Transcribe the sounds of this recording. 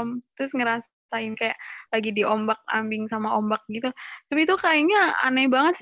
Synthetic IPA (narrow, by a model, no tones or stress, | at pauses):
mt̪ɾʊsŋəɾas | saɪnkajaʔlaɡidiʔombak̚a̰mbɪŋsamaombak̚ɡit̪ut̪apiːt̪ukaiɲaa̰nabaŋət̪̚s